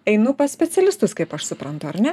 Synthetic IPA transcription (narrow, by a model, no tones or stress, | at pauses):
ɛɪnʊpɐsʲpʲɛt̪sʲɛlʲɪst̪ʊskɐɪpɐʃsʊpɾɐnt̪ʊɐɾnʲɛ